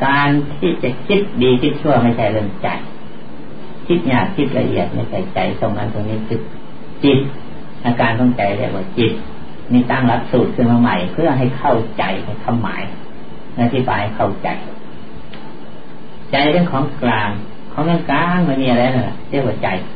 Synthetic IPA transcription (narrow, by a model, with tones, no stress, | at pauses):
kaː˧nt̪ʰiː˧˩t͡ɕa˨˧˩kʰi˦˥t̪̚diː˨˧kʰi˧˥t̪̚t͡ɕʰu˧˥˩ɐ˨ma˧˥˩jt͡ɕʰa˧˥˩jlɯ˧˩ŋt͡ɕa̰˨j | kʰi˧˦˥t̪̚ɲaː˨˩k̚kʰi˧˥t̪̚la̰˧ʔḭ˨˩ət̪̚ma˧˥˩jt͡ɕʰa˧˩jt͡ɕa˨˩jso˧˩ŋna˧˥˨nt̪ʰniː˧˥˨k̪ʰɯ˧˩k̚ | t͡ɕi˧t̪̚ | ʔa˧˩kaː˧nt̪ʰɔ˧˥˩ŋt͡ɕa˨˩jlɛ̰ː˧˩kwaː˧˩t͡ɕi˧t̪̚ | niː˧˩t̪aː˥˩ŋla˧˥p̚suː˨˩t̪̚kʰɯ˧˥˩maː˧ma˧˩jpʰɯ˥˩ɐɦa˧˩jkʰa˧˩wt͡ɕa˨jha˧˩jk̪ʰa˧˥mːa̰ː˨˦j | ʔa˧t̪ʰi˧˩baː˨˩jha˧˩jkʰa˧˩wt͡ɕa̰˨˩j | t͡ɕa˨˧jpe˧nkʰɔː˨˦ŋklaː˧ŋ | kʰɔː˨˦ŋtʰa˧˥˨ŋklaː˧ŋmaː˧˨miː˧˩˨a˧ɾa˧˨˧na˧nla̰˧˩li˧˥˧kwaː˧˩t͡ɕa˨j